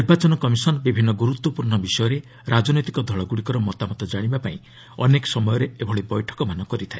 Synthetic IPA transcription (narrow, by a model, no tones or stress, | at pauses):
niɾbat͡ʃɔnɔkɔmisɔnɔbibʱinːɔɡuɾut̪wɔpuɾɳɔbisɔjɔɾe | ɾad͡ʒɔnɔjt̪ikɔd̪ʱɔɭɔɡuɽikɔɾɔmɔt̪amɔt̪ɔd͡ʒaɽ̃ibapaĩ | ɔ̰nekɔ̥sɔmɔjɔɾeebʱɔɭibɔjʈʰɔ̥kɔmanɔkɔɾit̪ʰae